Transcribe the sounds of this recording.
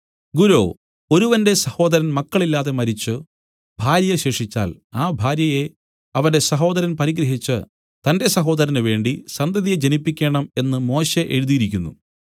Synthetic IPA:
ɡuɾo̰ː | o̞ɾuʋɐnde̞sɐho̞ːd̪ɐɾɐnmɐkːɐɭilːaːðe̞mɐɾit͡ɕːɨ | bʱaːɾjɐɕeːʂit͡ɕːa̰ːlaːbʱaːɾjɐje̞ | ɐʋɐnde̞sɐɦo̞ːd̪ɐɾɐnpɐɾiɡɾɐɦit͡ɕːɨ | t̪ɐnde̞sɐɦo̞ːd̪ɐɾɐnɨʋe̞ːɳɖisɐnd̪ɐðijed͡ʑenipːikʲːe̞ːɳɐme̞nːɨmo̞ːɕe̞ʔeɻuðijiɾik̬ʲːunːṵ

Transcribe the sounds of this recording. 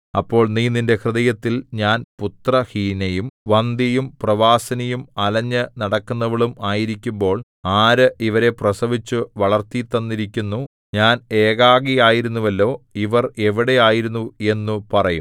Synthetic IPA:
ɐpːo̞ːɭniːninde̞krɨðɐjɐt̪ːilɲaːnput̪rɐhiːnɐjumʋɐnd̪ijumprɐʋaːsɐnijumɐlɐɲːɨnɐɽɐkːunːɐʋiɭumaːjiɾikʲːumbo̞ːɭ | aːɾɨʔiʋɐɾe̞prɐsɐʋit͡ɕːuʋɐɭɐrt̪it̪ːɐnːiɾikʲːunːu | ɲaːne̞ːɣaːɣijaːjiɾunːuʋɐlːo̞ːiʋɐre̞ʋiɽe̞jaːjiɾunːue̞nːupɐrɐjum

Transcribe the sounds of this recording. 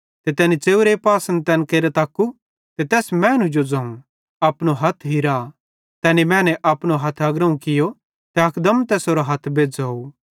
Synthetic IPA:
t̪ɛt̪ɛːnit͡seːuɾepaːsə̃nt̪ɛːnkeːɾet̪aːkːu | t̪ɛt̪ɛːsmɛ̃ːnũd͡ʒod͡zɐ̃ːũ | ɐpnoɦɐt̪ʰɦiɾa | t̪ɛːnimɛ̃ːnɛʔɐpnoɦɐt̪ʰɐɡɾɐũkɪjo | t̪ɛɐkd̪əmt̪ɛːsoɾoɦɐt̪ʰbeːd͡zɐːu

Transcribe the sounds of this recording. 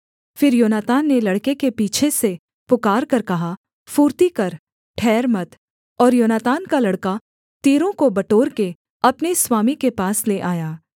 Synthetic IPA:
fɪɾjoːnaːt̪aːnːelɐɽkekepiːt͡ʃʰese | pʊkaːɾkɐɾkɐɦa | fuːɾt̪ikɐɾ | ʈʰɛːɾmɐt̪ | ɔːɾjoːnaːt̪aːnkalɐɽka | t̪iːɾõkobɐʈoːɾke | ɐpniswaːmikepaːsleʔaːjaː

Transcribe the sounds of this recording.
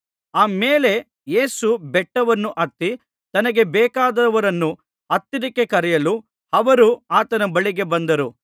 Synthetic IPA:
aːmeːle̞ | je̞ːsubɛʈːɐʋɐnːuʔɐt̪ːi | t̪ɐnɐɡe̞bɛːkaːd̪ɐɐʋɐɾɐnːu | ɐt̪ːid̪ikːe̞kɐɾɛjɐlu | ɐʋɐɾuaːt̪ɐnɐbɐɭiɡe̞bɐnd̪ɐɾu

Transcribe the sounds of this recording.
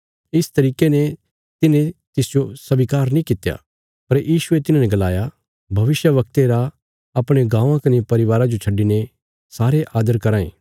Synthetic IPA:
ɪst̪ɐɾiːkene | t̪ɪnẽt̪ɪsd͡ʒosɐbikaːɾnĩkɪt̪ja̰ | pɐɾjiːʃʊet̪ɪnãnɛ̃ɡɐlaːja | bʱɐʋɪʃjəʋɐk̚t̪eɾa | ɐpɽ̃eɡãːãkɐnipɐɾɪʋaːɾad͡ʒot͡ʃʰɐɖːine | saːɾeʔaːd̪əɾkɐɾãːḛ̃ː

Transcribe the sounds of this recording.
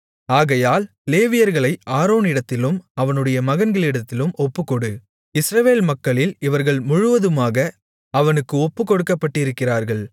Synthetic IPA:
aːɣɐjaːl | leːʋɪjɐɾɣɐɭɐɪʔaːɾoːnɪɽɐt̪ːɪlɯmɐʋɐnɯɽɐjɐmɐɣɐnɡɐɭɪɽɐt̪ːɪlɯmɔpːɯkːɔɽɯ | ɪsɾɐʋeːlmɐkːɐɭɪlɪʋɐɾɣɐɭmʊɻʊʋɐðɯmaːɣɐ | ɐʋɐnɯkːɯɔpːɯkɔɽɯkːɐpːɐʈːɪɪɾɯkːɪraːɾɣɐɭ

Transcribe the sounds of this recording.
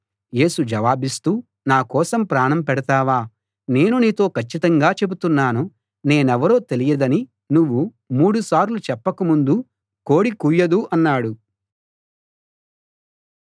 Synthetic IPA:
je̞ːsud͡ʒɐʋaːbist̪uː | naːkɔːsɐmpɾaːɳɐmpɛɽɐt̪aːʋaː | ne̞ːnuniːt̪o̞ːkʰɐt͡ʃːit̪ɐŋɡaːt͡ʃe̞but̪unːaːnu | ne̞ːnɛʋɐɾo̞ːt̪e̞lijɐd̪ɐni | nuʋːu | muːɽusaːɾlut͡ʃɛpːɐkumund̪u | ko̞ːɽikuːjɐd̪uʔɐnːaːɽu

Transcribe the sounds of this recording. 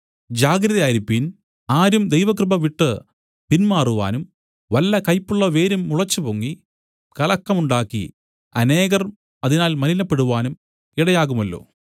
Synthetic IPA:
d͡ʑaːɡɾɐðɐjaːjiɾipːin | aːɾumd̪e̞jʋɐkrɨbɐʋiʈːɨ | pinmaːruʋa̰ːnum | ʋɐlːɐkɐjpːuɭːɐʋe̞ːɾumːuɭɐt͡ɕːɨpoŋːi | kɐlɐkːɐmuɳɖaːkːḭ | ɐne̞ːɣɐrm | ɐðinaːlmɐlinɐpːe̞ɽuʋaːnum | iɽɐjaːɣumɐlːo̞̰ː

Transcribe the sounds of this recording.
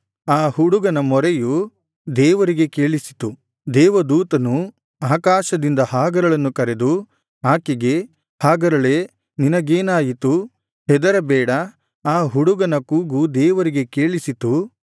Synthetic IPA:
aːɦuɽuɡɐnɐmɔɾeju | d̪ɛːʋɐɾiɡe̞ke̞ːɭisi̥t̪u | d̪ɛːʋɐd̪uːt̪ɐnu | aːkaːʃɐd̪ind̪ɐhaːɡɐɾɐɭɐnːukɐɾe̞d̪u | aːkiɡe̞ | haːɡɐɾɐɭe | ninɐɡeːnaːjit̪u | hɛd̪ɐɾɐbɛːɽɐ | aːɦuɽuɡɐnɐkuːɡud̪ɛːʋɐɾiɡe̞keːɭisit̪u

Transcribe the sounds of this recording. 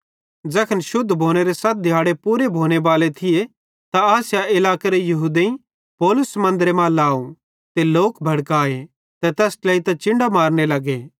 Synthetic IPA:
d͡ʒɛːkʰənʃʊd̪ʱːbʱoːñeɾesɐt̪̚ʰd̪ʱjaːɽepuːɾebʱoːñebaːlet̪ʰɪje | t̪aaːsjaɪlaːkeɾejɐɦuːd̪eĩ | pɔːlʊsmɐ̃nd̪əɾemãlaːu | t̪eloːkbʱɐɽkaːe | t̪ɛt̪ɛːslɐit̪ɐ̃t͡ʃɪ̃ɳɖamaːɾnelɐɡe

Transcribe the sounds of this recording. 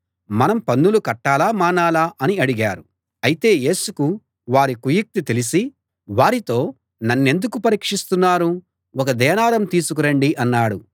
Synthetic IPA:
mɐnɐmpɐnːulukɐʈːaːlaːmaːnaːlaːʔɐniɐɽiɡaːɾu | ɐjit̪e̞ːje̞ːsuku | ʋaːɾikujik̚t̪it̪elisi | ʋaːɾit̪o̞ː | nɐnːe̞nd̪ukupɐɾiːkʂist̪unːaːɾu | ɔkɐd̪ɛːnaːɾɐmt̪iːsukuɾɐɳɖiʔɐnːaːɽu

